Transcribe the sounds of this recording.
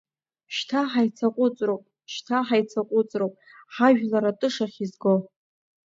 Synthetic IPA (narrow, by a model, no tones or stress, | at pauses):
ʃtʰaħajt͡sʰaqʷʼʊt͡sʼrowpʼ | ʃtʰaħajt͡sʰaqʷʼʊt͡sʼrowpʼ | ħaʒᶣlaɾatʼɨʂaχʲizɡo